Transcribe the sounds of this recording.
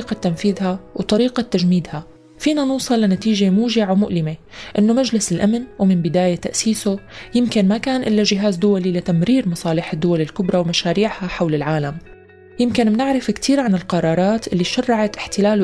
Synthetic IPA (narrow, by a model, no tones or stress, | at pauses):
qat̪ːamfiːðhawt̪ˤɑɾiːqat̪ːaʒmiːd̪ha | fiːnanuːsˤɨlːanat̪iːʒemuːʒɪʕawmʊʔlɪmeʔɪnːomad͡ʒlɪsɪlʔamnwmɪnbɪd̪aːjat̪a̰ʔsiːsojɪmkɪnmakaːnʔɪlːaʒɪɦaːzd̪ʊwalilat̪amɾiːɾmɑsˤɑːlɪħɪd̪ːʊwalɪlkʊbɾˤɑwmaʃaːɾiːʕhaħawlɪlʕaːlam | jɪmkɪnmnɪʕɾɪfkt̪ʰiːɾʕanɪlqɑɾˤɑːɾˤɑːt̪ʔɪlːiʃarːɑʕat̪ʔɪħt̪ɪlaːl